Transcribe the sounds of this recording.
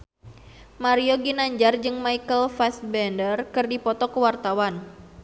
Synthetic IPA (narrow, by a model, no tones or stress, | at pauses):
maɾioɡinaɲd͡ʒard͡ʒɨŋmaikəlfɛsbɛndərkɨrdipɔt̪ɔkəwart̪awan